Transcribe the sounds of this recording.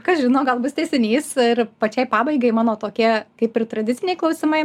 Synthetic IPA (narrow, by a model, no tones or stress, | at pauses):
kɐsʒʲɪnoːɡɐlˠbʊst̪ʲɛːsʲɪnʲiːsɪrpɐt͡ʃʲɛɪpɑːbɐɪɡɐɪmɑːnoːt̪oːkʲiɛkɐɪpɪrt̪ɾɐd̪ʲɪtt͡sʲɪnʲɛɪklˠɐʊsʲɪmɐɪ